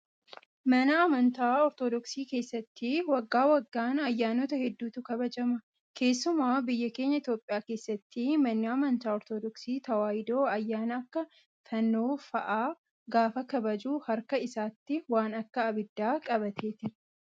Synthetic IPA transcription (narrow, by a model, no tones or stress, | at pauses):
mɐnɐːmɐnt̪aːɔɾt̪od̪ɔksiːke̞ːsːɐt̪ːiwɐɡːaːwɐɡːaːnɐjːaːnoːt̪ɐhɛd̪ːuːt̪ʊkɐbɐd͡ʒɐmɐ | kʰe̞ːsːʊmaːbɪjːɐke̞ːɲːɐɪt̪jo̞ːpʼːɪjaːke̞ːsːɐt̪ːimɐnːɪɐmɐnt̪aːɔɾt̪od̪ɔksiːt̪ɐwaːjɪd̪o̞ːɐjːaːnɐːkːɐ | fɐnːoːfɐʔaː | ɡaːfɐkɐbɐd͡ʒuːhɐɾkɐɪsaːt̪ːɪwaːnɐkːɐːbɪd̪ːaːkʼɐbɐt̪ʰe̞ːt̪ɪɾ